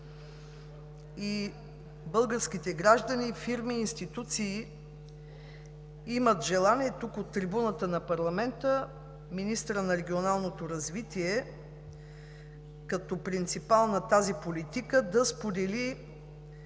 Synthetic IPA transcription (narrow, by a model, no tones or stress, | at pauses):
i | bɤlˠɡəɾsk̟it̪ɛɡɾaʒd̪ənifiɾmiːnst̪it̪ut̪siː | imət̪ʒɛlˠaniɛt̪ukot̪ːɾibunət̪ənɐpɐɾlˠɐmɛnt̪ə | minist̪ɾənɐɾɛɡʲionalˠnot̪oɾɐzvit̪iɛ | kɐt̪ɔpɾint̪sipalˠnɐt̪azipolit̪ikəd̪ɐspod̪ɛli